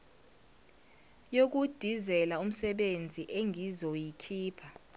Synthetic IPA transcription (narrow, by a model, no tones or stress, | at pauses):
jok̬ud̥ʱizɛlaum̩sɛɓend͡zʱiʔeŋizojikʰiːpʰa